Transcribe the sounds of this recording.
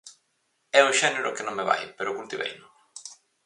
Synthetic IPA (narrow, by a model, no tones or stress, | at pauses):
ɛʊʃɛneɾʊkɪnõŋmeβa̰jpeɾokult̪iβɛ̰jnʊ